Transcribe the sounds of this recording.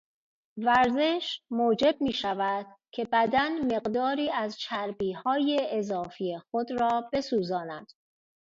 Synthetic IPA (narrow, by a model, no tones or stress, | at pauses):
væɾze̞ʃmoːd͡ʒe̞b̚miːʃævæd̪̥cʰe̞bæd̪ænme̞ɣd̪ɒːɾiːæzt͡ʃʰæɾbiːhɒːjeːzɒːfijexo̞d̪ɾɒːb̥e̞suːzɒːnæd̪̥